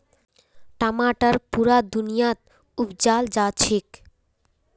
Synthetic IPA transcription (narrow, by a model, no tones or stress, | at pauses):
ʈamaʈaɾpuɾad̪unijat̪̚ | upd͡ʑald͡ʑat͡ɕʰik